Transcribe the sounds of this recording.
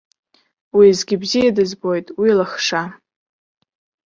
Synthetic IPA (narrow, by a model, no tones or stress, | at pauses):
wizɡʲɪbzijadɨzbo̞jtʼwilaχʂa